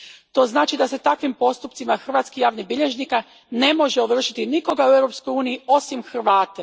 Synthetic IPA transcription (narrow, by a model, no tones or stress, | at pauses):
t̪o̞ːznaːt͡ʃid̪ase̞t̪akʋimpo̞st̪upt̪simaxr̩ʋaːt̪skijaːʋnibiʎe̞ʒnika | ne̞mo̞ʒeoʋr̩ʃit̪iniko̞ɡaue̞wɾo̞psko̞juːnijio̞simxr̩ʋaːt̪e